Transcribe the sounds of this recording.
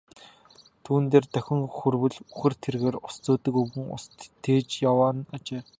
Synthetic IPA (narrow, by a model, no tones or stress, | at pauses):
t̪ʰuːnt̪eːrt̪œxʲɪ̆ŋxurwɘ̆ɮuxɘ̆rt̪ʰerɣeːrʊst͡soːt̪ɵ̆kɵɣɘ̆ŋʊ̰st̪ʰːeːt͡ɕjawaːnat͡ɕeː